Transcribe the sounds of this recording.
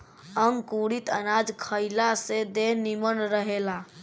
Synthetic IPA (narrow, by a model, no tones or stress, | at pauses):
əŋɡkuɽit̪ənad͡ʒkʰəjlased̪eɦnimənɾəɦela